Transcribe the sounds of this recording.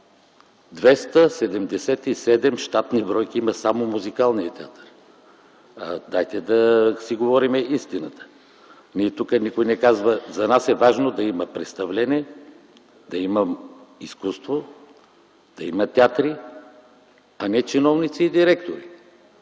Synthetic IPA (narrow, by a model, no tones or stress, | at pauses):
d̪vɛst̪əsɛd̪ɛmd̪ɛsɛt̪isɛd̪ɛmʃt̪at̪nibɾɔjkiiməsamomuzikalˠniət̪ʲɛat̪əɾ | d̪ajt̪ɛd̪ɐsiɡovɔɾimɛist̪inət̪ə̥ | niɛt̪ukənikojnɛkazvəzɐnasɛvaʒnod̪ɐiməpɾɛt̪st̪ɐvlɛnʲɛ | d̪ɐiməiskust̪vo | d̪̥ɐimɐt̪ʲɛat̪ɾi | ɐnɛt͡ʃinɔvnit̪siːd̪iɾɛkt̪oɾi